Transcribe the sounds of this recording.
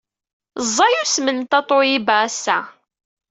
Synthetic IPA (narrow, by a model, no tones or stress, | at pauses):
zˤːɑjusmənt̪ɑt̪ˤojibaæsːæ